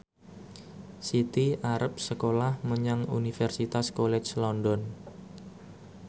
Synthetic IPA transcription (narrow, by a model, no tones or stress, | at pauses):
sit̪iʔaɾəp̚səkolahməɲaŋṵnifɛrsit̪askolɛt͡ʃlɔndɔn